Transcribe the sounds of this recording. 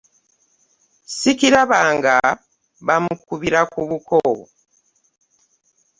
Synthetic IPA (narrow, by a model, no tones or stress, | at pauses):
sikiɾaβaːŋɡa | βamukuβiɾakuβukoː